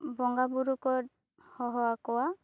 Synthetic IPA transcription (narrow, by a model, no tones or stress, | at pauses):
bɔŋɡabuɾukɔɾ | hɔɦɔakɔwa